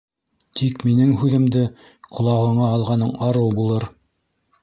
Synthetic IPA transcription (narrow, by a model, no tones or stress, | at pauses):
t̪ʰikminɘŋɦʉðɘ̆md̪ɘ | qʰŏlˠɑʁɤ̆ɴɑːlˠʁɑnɤɴɑɾɤwbulˠɤɾ